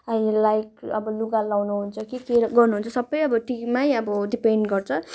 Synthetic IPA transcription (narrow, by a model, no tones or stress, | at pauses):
ʌilajkʌbʌluɡalawnuɦunt͡sʰʌkikeɡʌrnuɦunt͡sʰʌsʌbːʌjʌbʌʈikmajʌbʌɖipeɳɖɡʌrt͡sʰʌ